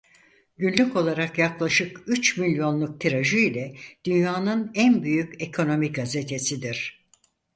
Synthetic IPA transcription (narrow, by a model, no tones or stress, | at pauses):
ɟynlʲyko̞lˠaɾakjaklˠaʃɯkyt͡ʃmilʲjo̞nlˠuk̚t̪ʰiɾaʒɯilʲɛd̪̥ynjaːnɯnænbyjyce̞kʰo̞no̞miɡaze̞t̪ʰe̞sid̪iɾ̥